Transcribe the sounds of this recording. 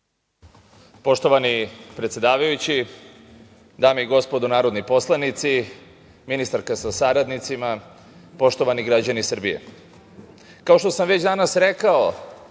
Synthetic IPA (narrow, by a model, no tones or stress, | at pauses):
po̞ʃt̪o̞ʋanipɾet̪sed̪aːʋajut͡ɕi | d̪aːmeiɡo̞spo̞d̪unaːɾo̞d̪nipo̞slˠanit̪si | minist̪aɾkasasaɾad̪nit̪sima | po̞ʃt̪o̞ʋaniɡɾad͡ʑanisr̩bije̞̰ | kao̞ʃt̪o̞samʋe̞t͡ɕd̪anasɾe̞kao